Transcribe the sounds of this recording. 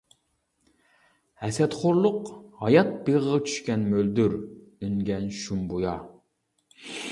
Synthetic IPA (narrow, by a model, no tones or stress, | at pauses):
hɛsɛt̪χoɾlˠʊqhɑjɑt̪̚beʁəʁɑt͡ʃʰy̥ʃkʲɛnmøld̪yɾ | ynɡʲɛnʃumbujɑ